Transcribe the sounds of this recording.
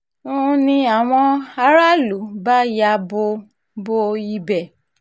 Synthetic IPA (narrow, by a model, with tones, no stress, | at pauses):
ũ˦nĩ˧a˦˨w̃ɔ̃˧a˧ɾa˦lu˨˦ba˦ja˧bo˧ | bo˦˧i˧bɛ˦˨